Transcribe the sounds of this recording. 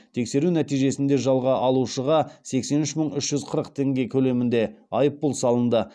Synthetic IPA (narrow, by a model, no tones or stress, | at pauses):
t̪ʰe̞kse̞ɾunæt̪ijʒe̞sɪnd̪e̞ʒɑlˠʁɑʔɑlˠuʃəʁɑse̞kse̞nʏʃməɴʏʃʒ̥ʏzqʰəɾəqt̪ʰe̞ŋɡʲe̞kʲʰɵle̞mɪnd̪e̞ɑjəp̚ːʊlˠsɑlˠənd̪ə